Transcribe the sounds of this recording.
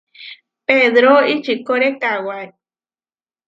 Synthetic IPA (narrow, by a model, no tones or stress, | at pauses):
peðɾoit͡ʃikoɾekawae